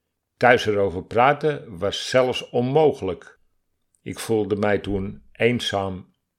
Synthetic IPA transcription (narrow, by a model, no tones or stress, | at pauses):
tœɥsəɾowvərpraːtəʋɑsːɛlˠfsɔnmowxələk | ɪkfulˠdəmɛjtunʔejnsaːm